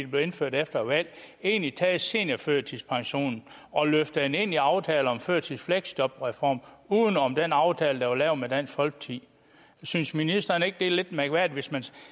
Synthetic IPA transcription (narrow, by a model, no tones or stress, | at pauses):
b̥le̝e̝nføɐ̰ɾ̥efd̥ɐʋæl̰ | e̝ːnlit͡sʰɛ̰ːse̝ːnɐføɐ̰t͡sʰilspʰɑ̈ŋɕo̝̰ːnn̩ | ɒ̽løfd̥əene̝n̰iɑ̈ʊt͡sʰɛːl̩ɒ̽mføɐ̰t͡sʰifleɡ̥sd̥ɒ̽b̥ʁɛfɒ̰ːmuːðˠn̩ɒ̽md̥enɑ̈ʊt͡sʰɛːləd̥ɑʋɑ̈lɛːʊmed̥æn̰sfɒlɡ̥̚t͡sʰḭː | synsminisd̥ɐne̝ɡ̥̚d̥e̝le̝d̥mæɡ̥ʋæɐdiʋe̝smæn